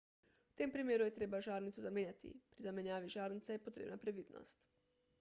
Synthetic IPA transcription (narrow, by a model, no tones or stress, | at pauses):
wt̪eːmpɾimjeːɾujɛt̪ɾeːbaʒaːɾnit̪suzameːnʲjat̪ḭpɾizamenjaːʋiʒaːɾnit̪sɛjɛpot̪ɾḛːbnapɾeʋiːd̪no̰st̪